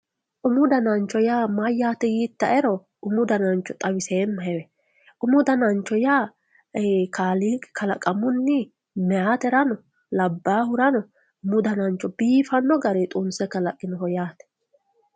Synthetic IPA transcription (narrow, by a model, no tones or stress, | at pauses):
ʔʊmʊd̪ɐnɐnt͡ʃːɔjaːmɐjːaːt̪ɛjiːt̪ːɐʔɛɾɔ | ʊmʊd̪ɐnɐnt͡ʃːɔt̪ʼɐwɪseːmːɐhɛwɛ | ʔʊmʊd̪ɐnɐnt͡ʃːɔjaː | kaːlikɐlɐkʼːɐmʊnːi | mɛaːt̪ɛɾɐnɔ | lɐbːaːhʊɾɐnɔ | ʊmʊd̪ɐnɐnt͡ʃːɔbiːfɐnːɔɡɐɾɛt̪ʼʊnsɛkɐlɐkʼːɪnɔɦɔjaːt̪ɛ̥